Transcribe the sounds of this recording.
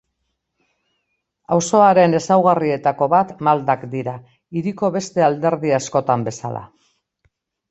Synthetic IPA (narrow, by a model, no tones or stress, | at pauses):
awso̞aɾe̞ne̞sawɣarie̞t̪ako̞βat̪mald̪akd̪iɾa | iɾiko̞βe̞st̪e̞ald̪e̞ɾðiasko̞t̪ambe̞salʔa̰